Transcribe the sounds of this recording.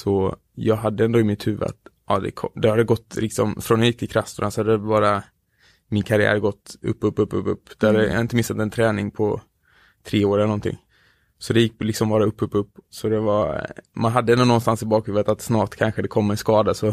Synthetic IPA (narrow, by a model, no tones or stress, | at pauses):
sɔ | jɑːɡɦad̪ːəɛnd̪oːɪmɪt̪hʉ̟ːvə̰a̰t̪ʔɑːd̪ɛ̰kʰɔd̪ɛhad̪ɡɔt̪ːlɪksɔ̰mfɾɔnhajɪk̚t̪ʰɪlkʰɾast̪ʊɳasɔhad̪ːɛbɑːɾa | mɪnkʰaɾɪæ̰ːɾɡɔt̪ːɵ̰pːɵpːɵpːɵ̰pːɵpːd̪̥ɛhad̪j̰ːɪnt̪əmɪnsat̪ɛnt̪ʰɾɛːnɪŋpʰɔ | t̪ʰɾeːoːɾɛlənɔnt̪ʰɪ̰ŋː | sɔd̪ɛjɪk̚ːlɪksɔmbɑːɾaɵpːɵpːɵpːsɔd̪ɛvamanɦad̪ːəɛnd̪ʊnɔnst̪ansɪbɑːkhʉːvət̪at̪snɑːʈkʰanɧəd̪ɛkʰɔmːɛnskɑːd̪asɔ